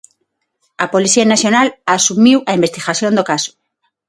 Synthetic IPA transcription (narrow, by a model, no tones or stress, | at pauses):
apoliθianaθjonalasumiwaimbest̪iɣaθjõnd̪okasʊ̥